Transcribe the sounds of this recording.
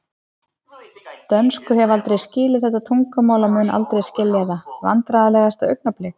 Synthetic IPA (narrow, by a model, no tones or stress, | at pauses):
t̪œnskʏɦɛvalt̪ɾejscɪːlɪθɛht̪ːat̪ʰuŋkamaːwlamʏːnʔa̰lt̪ɾejscɪlːɛðava̰nt̪ɾaðalɛːɣast̪aœɥk̚naplɪx